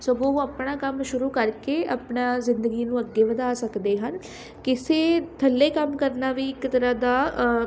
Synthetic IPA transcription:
soːɡoːoəpɳaːkəmʃʊɾuːkəɾkeːʔəpɳaːzɪnd̪əɡiːnũːəɡːeːʋəd̪aːsəkd̪eːɦən | kɪseːt̪ʰəlːeːkəmkəɾnaːʋiːɪkt̪əɾãːd̪aː

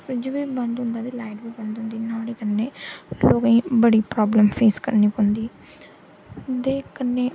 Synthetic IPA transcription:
sɪd͡ʒʋiːbənd̪ɦʊ̃nd̪aːd̪iːlaːɪʈbiːbə̃nd̪ɦʊ̃nd̪iːnãːɽiːkənːeːloːɡaĩːbəɽiːpɾɔːbləmpʰeːskəɾniːpõnd̪iː | d̪eːkənːeː

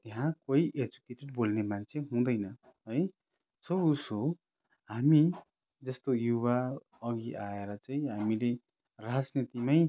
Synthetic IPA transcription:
t̪eɦãkoiʔed͡zukeʈeɖbolnemant͡sʰeɦũd̪ʌjnʌ | ɦʌj | sʌbuso | ɦami | d͡zʌst̪ojuβa | ʌɡiʔaeɾʌt͡saĩɦamile | rad͡znit̪imaj

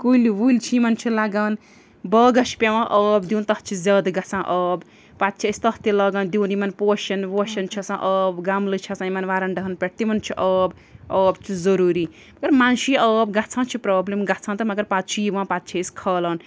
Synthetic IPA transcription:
kuliʋult͡ʃʰimɐnt͡ʃʰilaɡaːn | bəɡɐʃʰpʲewãʔʌːbd̪iwnt̪ɐht͡ʃʰizaːd̪ɡat͡sʰãːʔʌːb | pat̪̚t͡ʃʰist̪ɐht̪jilɐɡand̪iwnimɐnpoʃɐnwoʃɐnt͡ʃʰisãʔəːbɡamlɨt͡ʃʰɐsãimɐnʋaɾɐnɖɐɦɐnpʲeʈ̚t̪imɐnt͡ʃʰiʔʌb | əːbt͡ʃʰuzɐɾuɾiː | mɐɡɐɾmanʃiʌːbɡat͡sʰãːnt͡ʃʰipɾaːblemɡat͡sʰãːnt̪ɐmɐɡɐɾpat̪̚t͡ʃʰiiʋãpat̪̚t͡ʃʰiskʰɐlɐn

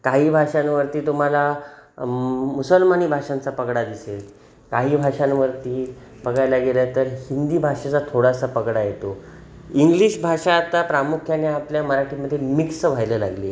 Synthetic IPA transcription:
kaɦiːbʱaʂãnʋəɾt̪iːt̪um̤ala | musəlmaniːbʱaʂãnt͡sapəɡɽad̪isel | kaɦiːbʱaʂanʋəɾt̪iː | bəɡajlaɡelət̪əɾhind̪iːbʱaʂat͡sat̪ʰoɽasapəɡɽajet̪o | iŋɡliɕbʱaʂaːt̪apɾamukʰjaneapljaməɾaʈʰiməd̪ʱːjemiksʋ̤ajləla̰ɡlije

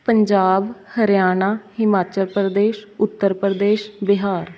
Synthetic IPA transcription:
pəɲd͡ʒaːbhəɾjaːnaːhɪmaːt͡ʃəlpɾd̪eːʃʊt̪ːəɾpɾəd̪eːʃbɪɦaːɾ

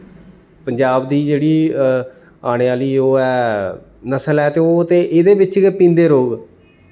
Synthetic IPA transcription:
pəɲd͡ʒaːbd̪iːd͡ʒeːɽiː | aːɽ̃eːaːliːoːɛː | nəsəlɛːt̪eːoːt̪eːʔeːd̪eːbɪt͡ʃpĩːnd̪eːɾoːɡ

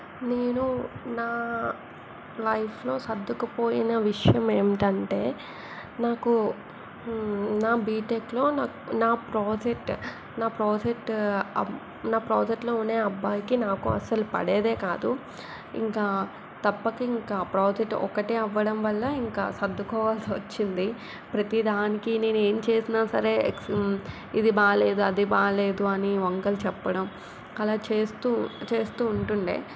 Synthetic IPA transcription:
neːnunaː | lɐjpʰlo̞ːsɐd̪ʱːɐkupo̞ːjinɐʋiʂɐjɐme̞ːmiʈɐɳʈe̞ː | naːku | naːbiːʈeːklo̞ːnaː | naːpɾoːd͡ʒek̚ʈ | naːpɾoːd͡ʒek̚ʈɐ | naːpɾoːd͡ʒek̚ʈlo̞ːune̞ːɐbːaːjkinaːkuɐ̰sɐlupɐ̰ɽeːd̪e̞ːkaːd̪u | ḭŋkaː | t̪ɐpːɐkɐiŋkaːpɾoːd͡ʒeʈːɔ̰kɐʈeːɐʋːɐɽɐmʋɐlːɐiŋka̰ːsɐd̪ʱːukɔːʋaːlsiʋɐt͡ʃːind̪i | pɾɐt̪id̪aːnikine̞ːnue̞ːmt͡ʃe̞ːsinaːsɐɾe̞ːks | id̪ibaːle̞ːd̪uɐd̪ibaːle̞ːd̪uɐniʋɐŋkɐlut͡ʃɛpːɐɽɐm | ɐlaːt͡ʃeːst̪ut͡ʃe̞ːst̪uːɳʈuɳɖḛː

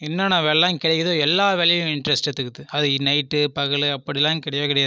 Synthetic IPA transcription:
ɪnːɐnãːʋɛɭlãːkɪɽɛkːðoːɛlːaːʋɛlɐjʊ̃ɪɳɖɾɛsʈɛt̪ːɯkɯt̪ːɯɐðɯnɐɪʈːɯpɐɣɐɭɯɐpːɐɽilãːŋkɪɽɐjaːkɪɽɐjaːð

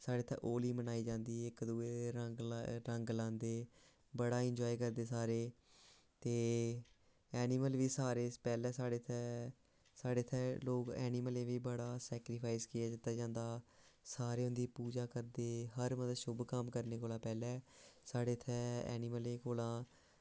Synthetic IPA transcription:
saːɽeːt̪ʰɛ̰ːʔoːliːmənaːiːd͡ʒãːnd̪iːɪkd̪uːeːɡɾəŋɡlãːnd̪eː | bəɽaːɪ̃ɲd͡ʒɔːiːkəɾd̪eːsaːɾeː | t̪eː | ɛːnɪməlʋiːsaːɾeːpɛːlɛːsaːɽeːt̪ʰɛː | saːɽeːt̪ʰɛːloːkɛ̰ːnɪːməlẽːʋiːbəɽaːsɛːkɾɪpʰaːɪskɪjaːd̪ɪt̪ːaːd͡ʒãːnd̪aːsaːɾeːɦʊ̃nd̪iːpuːd͡ʒaːkəɾd̪eːɦəɾməd̪əʃʊbkəmkəɾneːkoːlãːpɛːlɛːsaːɽeːt̪ʰɛːɛ̰ːnɪməlẽːkoːlãː

